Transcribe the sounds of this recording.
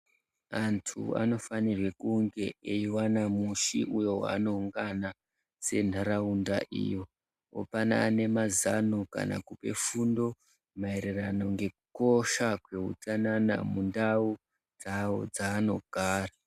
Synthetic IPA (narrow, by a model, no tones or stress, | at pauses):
antʰṵa̰no̞fanirwe̞kuŋɡe̞eiwanamuʃiʔujo̞wa̰ːno̞uŋɡana | se̞n̤ʱaɾaundaʔḭjo̞ | o̰panaːne̞mazano̞ka̰na̰kupe̞̰fundo̞ | maeɾerano̞ŋɡe̞k̚u̥ko̞ʃakwe̞ṵt͡sanana̰mundau | d͡zao̰d͡zaːno̞ɡ̥ʱaːra